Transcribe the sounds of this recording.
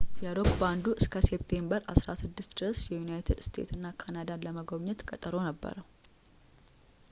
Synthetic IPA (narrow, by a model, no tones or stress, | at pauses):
jɛɾokband̪uʔɨskʰəsebt̪ʰe̞mbəɾasɾasɨd̪ːɨst̪d̪ɨɾəsjɛjunajt̪ʰɪd̪st̪ʰḛt̪ɨnːakʰanad̪aləməɡoβɲːɛt̪kʼət̪ʼəɾo̞nəbːə̰ɾəw